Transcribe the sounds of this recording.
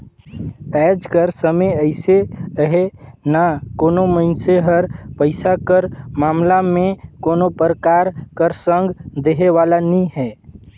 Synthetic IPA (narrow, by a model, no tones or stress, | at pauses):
ɛːd͡ʒkəɾsəməjəɪseəɦenakoːnoməɪnseɦəɾpəɪsakəɾmaːmlamẽkoːnopəɾəkaːɾkəɾsə̃ŋɡd̪eɦeʋaːlanĩɦɛː